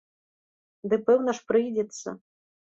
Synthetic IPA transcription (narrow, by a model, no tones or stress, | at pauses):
d̪ɨpɛwnɐʂpɾɪjdʲɛt̪sʲːɐ̰